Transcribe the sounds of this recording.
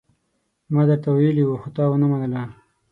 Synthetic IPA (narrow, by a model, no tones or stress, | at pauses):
mɑd̪əɾt̪awajəliwuxot̪ɑwənamanəla